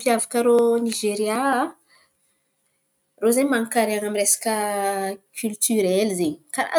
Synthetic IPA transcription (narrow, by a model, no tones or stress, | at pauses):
piavakəɾoniʒeɾja | rozaɲmaŋkaɾeaŋamiɾesḁkə | kʲʰylt̪yɾɛlizeɲkaɾa̰